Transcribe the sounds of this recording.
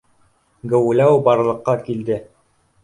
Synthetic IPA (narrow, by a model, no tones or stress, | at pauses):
ɡɘ̆wlæwbɑɾlˠɤ̆qːɑkild̪ɘ